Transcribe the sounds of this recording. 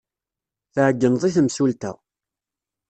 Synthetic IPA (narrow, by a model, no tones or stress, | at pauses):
θəʕəɡːənðˤiθəmsult̪æ̰